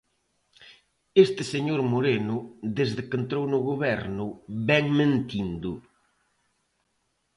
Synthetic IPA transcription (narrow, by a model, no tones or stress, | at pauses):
est̪ɪseɲoɾmoɾenʊðezðɪkent̪ɾownʊɣoβɛɾnʊβɛŋmẽnt̪ind̪ʊ